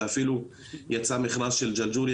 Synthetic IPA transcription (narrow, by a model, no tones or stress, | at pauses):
afilu | jat͡samiχnasʃeld͡ʒald͡ʒuɾj